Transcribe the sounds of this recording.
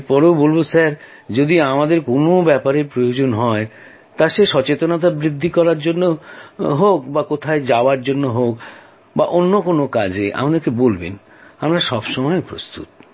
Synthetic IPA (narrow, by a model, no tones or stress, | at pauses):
eɾpɔɾewbolbosaɾ | d͡ʑod̪iamad̪eɾkonobɛpaɾeɾpɾojod͡ʑonɦɔe | t̪aʃeʃɔt͡ɕet̪onat̪̬abɾid̪ʱːikɔɾaɾd͡ʑonːoɦokbakot̪ʰaed͡ʑaoaɾd͡ʑonːoɦok | baʔonːokonokad͡ʑeʔa̰mad̪eɾkebolbḛn | amɾaʃɔbʃɔmɔepɾo̰st̪ṵt̪̚